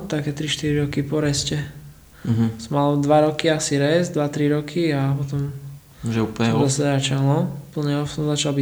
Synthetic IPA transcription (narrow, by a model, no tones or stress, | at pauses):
t̪akɛt̪ɾiʃt̪iɾiɾɔkipɔɾɛscɛ | ɦsɔmalɔd̪ʋaɾɔkiasiɾɛzd̪ʋat̪ɾiɾɔkʰiapɔt̪ɔm | ʒɛuːplɲɛzasaɾat͡ʃaɦlɔupl̩ɲɛɔfɔmzat͡ʃalbi